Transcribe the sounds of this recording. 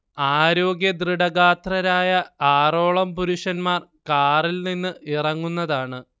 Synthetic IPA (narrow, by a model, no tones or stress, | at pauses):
aːɾo̞ːɡjɐd̪riɽɐɣaːt̪rɐɾaːjɐaːro̞ːɭɐmpuɾuʂɐnmaːrkaːrilninːɨʔirɐŋːunːɐðaːɳɨ